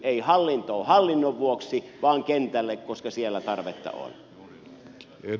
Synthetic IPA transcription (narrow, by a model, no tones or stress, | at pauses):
eˑihɑlːint̪oːhɑlːinːoʋʋuoksiʋɑːŋkent̪ælːekkoskɑsielːæt̪ɑrʋet̪ːɑ̰o̰lʲ